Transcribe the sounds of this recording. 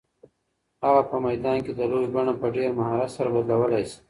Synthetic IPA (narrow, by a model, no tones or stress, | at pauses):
aɣapəmajd̪ɑnked̪əlojbaɳapəɖeɾmaɦɑɾat̪saɾabad̪lawəlajsi̥